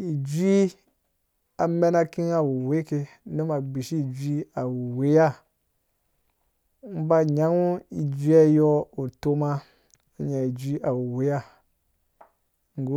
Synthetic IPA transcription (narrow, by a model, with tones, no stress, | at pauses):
i˨d͡ʒi˦ | a˨me˦na˦ki˦ŋa˨wu˨we˦ke˦nu˦ma˨ɡ͡bi˨ʃi˦˨d͡ʒi˦a˨wu˨we˦ja˦˨˦ | m̩˦ba˦ɲa˦ŋu˦i˨d͡ʒi˦a˦jɔ˦u˨to˦ma˦˨ | ɲa˨i˨d͡ʒi˦ʔa˨wu˨we˦ja˦ | ŋ˨ɡu˦